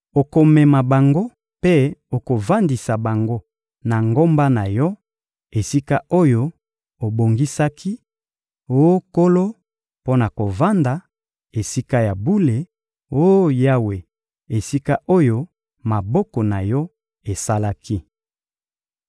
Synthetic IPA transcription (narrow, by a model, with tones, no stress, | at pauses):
o˨ko˨mɛ˨ma˨ba˨ŋɡo˦ | pe˦o˨ko˨va˦ndi˨sa˨ba˨ŋɡo˦ | na˨ŋɡo˦mba˦na˨jɔ˦ | e˨si˦ka˦o˦jo˦ | o˨bo˨ŋɡi˦sa˦kʰi˦ | o˦ko˦lo˦ | po˦na˨ko˨va˦nda˨ | e˨si˦ka˦ja˨bu˦le˨ | o˦ja˦we˨ | e˨si˦ka˦ʔo˦jo˦ | ma˨bɔ˦kɔ˨na˨jɔ˦ | e˨sa˦la˦ki˦